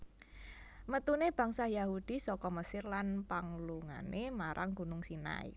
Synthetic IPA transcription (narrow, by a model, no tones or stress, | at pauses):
mət̪uneb̥a̤ŋsajahud̪̥i̤sɔkɔməsɪrlanpaŋluŋa̰nʔemaɾʔaŋɡṳnʊŋsina̰ḭ